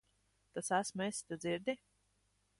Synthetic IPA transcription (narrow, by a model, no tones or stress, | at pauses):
t̪asæsmesʲt̪ad̪ziɾd̪ʲi